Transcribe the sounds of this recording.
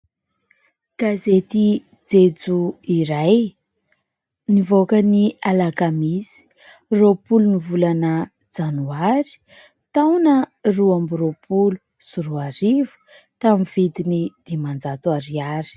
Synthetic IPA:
ɡ̥azet̪i | d͡zed͡zuiɾaj | nivokənialakamizi̥ | ropulunivulanə | d͡zanuaɾi̥ | t̪awnəruambiɾopʰulu | suɾuaɾivu̥ | t̪amivid̪inid̪̥imand͡zat̪uaɾiaɾi̥

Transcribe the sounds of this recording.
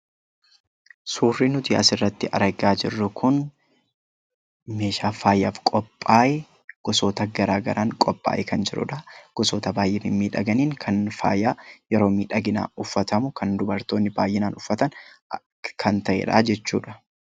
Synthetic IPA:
suːrːinʊt̪ɪɐ̰sɪrːɐt̪ːɪʔɐ̰ɾɐɡaːd͡ʒɪrːʊkʰʊn | me̞ːʃaːfaːjːaːfkʼɔpʼːaːʔɛ | ɡ̥ɔsoːt̪ɐɡɐɾaːɡɐ̰ɾʔaːŋkʼɔpʼːa̰ːʔɛkɐnd͡ʒɪɾʊ̰ᶑɐɡ̥ɔsoːt̪ɐbaːjːɛmɪmiːᶑɐɡɐniːŋkʰɐnfa̰ːjaːjɛɾo̞ːmiːᶑɐɡɪna̰ːʊfːɐt̪ɐmʊkʰɐnd̪ʊbɐɾt̪oːnːɪbaːjːɪnaːnʔʊfːɐt̪ɐn | kʰɐnt̪ɐʔɛ̰ᶑa̰ːd͡ʒɛt͡ʃːṵːᶑɐ̥

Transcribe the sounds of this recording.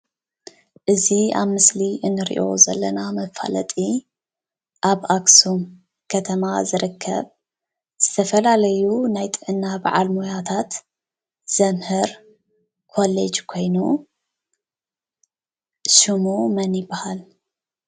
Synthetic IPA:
ʔɨzia̰βmɨsliʔɨnːɨɾḭʔo̞̰zɐ̰lːɐnamɐfa̰lɐ̰t̪ʼi | ʔaβaksum | kʰɐt̪ʰɐmazɨɾɨkʰːɐ̰β | z̥ɨt̪ʰɐfɐlalɐjunajt̪ʼɨʕɨnːaba̰ʕalmojat̪ʰat̪ | z̥ɐmhɨɾ | kʰo̞lḛd͡ʒkʰo̞jnu | ʃɨmumɐnjibahal

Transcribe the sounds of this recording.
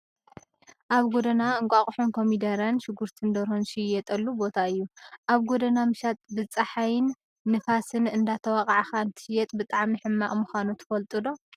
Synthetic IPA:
ʔaβɡod̪ɐnaɨŋkʷʼaχʼħunkʰo̞mid̪ɐɾɐnʃɪɡuɾt̪ʰɨnd̪ɐɾonʃɪjɛt̪ʼɐlːubo̞t̪ʰaɨjːuʔaβɡod̪ɐnamɨʃat̪ʼbɨt͡sʼɐħajɪnː | ɨfasɨnɨnd̪at̪ʰɐwakʼaʕaxaɨnt̪ʰɨ̥ʃɪjɛt̪ʼbɨt̪ʼaʕmiħɨmːaʔmuxanut̪ʰɨ̥fɐlt̪ʼɨd̪o̞

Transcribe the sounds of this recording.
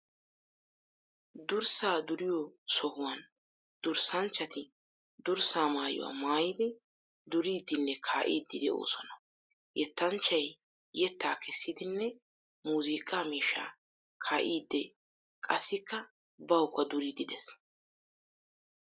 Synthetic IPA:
d̪ʊɾsaːd̪ʊɾɪjɔsɔhʊwɐn | d̪̥ʊɾsɐnt͡ʃːɐt̪ɪ | d̪ʊɾsaːmaːjʊ̰wa̰ːmaːjɪd̪ɪ | d̪ʊɾiːd̪ɪnːɛkʰaːʔiːd̪ːɪd̪ɛʔo̰ːsɔnɐ | jɛt̪ːɐnt͡ʃːɐj | jɛt̪ːaːkʰɛsːɪd̪ɪnːɛ | muːziːkʼːaːmiːʃːa̰ː | kʰaːʔiːd̪ːɛ | kʼɐsːɪkːɐ | bɐwʊkːɐd̪ʊɾiːd̪ɪd̪ɛs

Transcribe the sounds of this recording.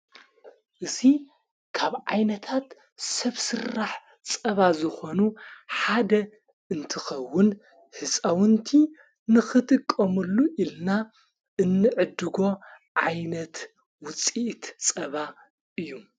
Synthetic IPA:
ʔɨzi | kʰaβʕajnɐt̪ʰat̪ | sɐβsɨrːaħ | t͡sʼɐβazɨxo̞nuħad̪ɐ | ɨnt̪ʰɨxɐwːʊn | ħɨsʼawɨnt̪ʰi | nɨxɨt̪ʰʼɨkʼːɐmɨlːuʔilna | ʔɨnːɨʕɨd̪ɨɡo̞ | ʕajnɐt̪ | wʊt͡sʼiʔt̪t͡sʼɐβa | ʔɨjːu

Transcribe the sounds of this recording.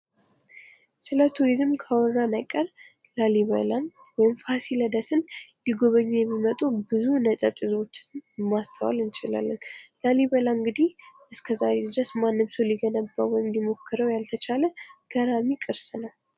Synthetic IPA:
sɨlət̪ʰuɾizɨmkʰawɔɾanajkʼːəɾ | laliβə̰lan | wɔjɪmfasiləd̪əsɨnlɪɡo̞βəɲːujɛmːimət̪ʼubɨzunət͡ʃʼat͡ʃʼɪzwo̞t͡ʃːɪnmast̪ʰəwa̰lɨnt͡ʃɪla̰lːənlaliβəlaɨŋɡɨd̪ihʔɨskʰəzaɾed̪ɾəsmanːɨmsəwliɡənəbːawɔjɪmlimo̞kʰːəɾəwjalt̪ʰət͡ʃʰaləɡ̥əɾamikʼɨɾsnəw

